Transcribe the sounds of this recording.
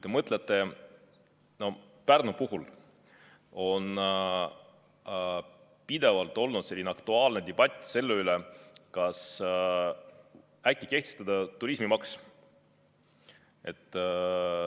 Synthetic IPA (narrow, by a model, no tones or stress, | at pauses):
t̪ːemɤt̪ˑlet̪ːˑe̞ | no̞ | pærnupuɦul | o̞n | pid̪̥e̞vɑlt̪ːˑo̞lnud̪̥se̞lʲːineɑkt̪uɑːlned̪e̞b̥ɑt̪ʲːˑse̞lːeylekɑs | ækʲːˑike̞ht̪est̪ɑd̪ɑt̪uɾismimɑks | e̞t̪ːˑ